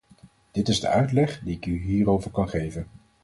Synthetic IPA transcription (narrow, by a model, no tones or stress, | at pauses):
d̥ɪtɪzdə̰ʔœɥtlɛχdiɪkyɦiːrowvəɹkɑnχejvən